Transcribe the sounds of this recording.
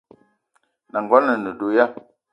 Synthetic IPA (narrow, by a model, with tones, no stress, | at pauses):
na˨ŋɡɔ˦nə˨nə˨do˨ja˦